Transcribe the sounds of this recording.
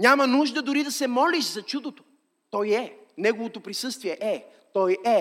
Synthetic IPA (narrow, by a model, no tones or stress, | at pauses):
ɲʲamɐnuʒd̪ɐd̪ʊɾid̪ɐsɛmɔlʲiʃzɐt͡ʃud̪ot̪o̥ | t̪ɔjɛ | nɛɡovot̪opɾisɤst̪viɛʔɛ | t̪ɔjɛ